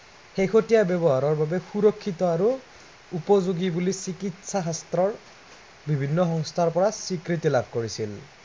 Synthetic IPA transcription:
xejxotijabjɔbɔɦaɹɔɹbabɛxuɹɔkʰːitɔaɹu | upɔzuɡibulisikitsaɦastɹɔɹ | bibʱinːɔxɔŋstʰaɹpɔɹasikɹitilabʱkoɹisil

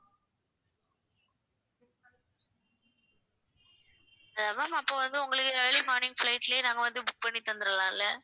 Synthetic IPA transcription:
ɐðaːmaːmɐpːoːʋɐnd̪ɯʊŋɡɐɭɯkːɯɛɭimaːnɪŋflɐɪʈːɪljenaːŋɡɐʋɐnd̪ɯbʊk̚pɐɳːit̪ɐnd̪ɯɾɐlãːɪlːɐ

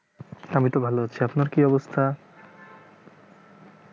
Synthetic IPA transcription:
amit̪obʱaloɦatːɕʰeapnaɾkiɔbost̪ʰa

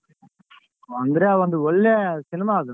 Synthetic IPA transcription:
ʋɐnd̪ɯɾaːʋɐnd̪ɯɔɭːɛsɪnɪmaːɣɯ̃

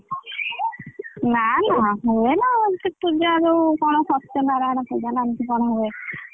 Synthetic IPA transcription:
nanaɦoenaɔt̪ik̚pud͡ʒaɾukɔɽ̃osɔt̪ːjɔnaɾanapud͡ʒananit̪ikɔɽ̃oɦobe

